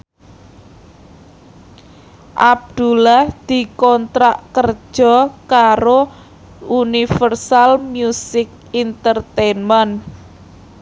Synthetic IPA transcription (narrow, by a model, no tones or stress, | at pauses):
ʔab̚d̪̥ṳlahd̪̥i̤kɔnt̪ɾaʔkər̥ʒ̥ɔ̤kaɾo | unifərsalmjusɪk̚int̪ərt̪enmən